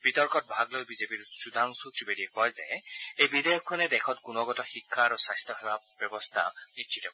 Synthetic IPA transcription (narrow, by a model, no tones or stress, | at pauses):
b̥itɔɹkɔt̚bʱaɡlojbizepiɹsud̪ʱaŋsutɹibediɛkɔjzeejbidejɔkʰːɔnɛdɛkʰɔtkunɔɡɔtɔxikʰːaɾɔsajstʰɔɦebabjɔbɔst̪ʰa̰nisʃʰitɔk